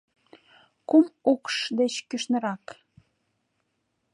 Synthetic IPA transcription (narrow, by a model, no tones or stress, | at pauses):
kumukʃd̪et͡ɕkyʃnə̆ɾɑk